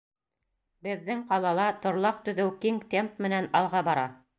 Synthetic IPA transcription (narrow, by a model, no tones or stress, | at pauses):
bɘ̆ðːɘŋqɑlˠɑlˠɑt̪ŏɾlˠɑq̚t̪ɵ̆ðɘwkiŋt̪empmɘ̆nænɑlˠʁɑbɑɾɑ